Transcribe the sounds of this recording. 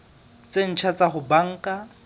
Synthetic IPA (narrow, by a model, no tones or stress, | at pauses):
t͡sen̩t͡ʃʰat͡saχʊbaŋ̩kʼa